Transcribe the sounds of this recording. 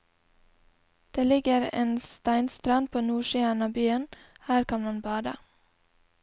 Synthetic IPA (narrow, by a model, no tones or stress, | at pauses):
d̪̥eːlɪɡəɾḛːnst̪æɪnst̪ɾɑnd̪̚pʰoːnuːʃiːəɳɑbyːən | hæːɾkʰɑnmɑnbɑːd̪ə̰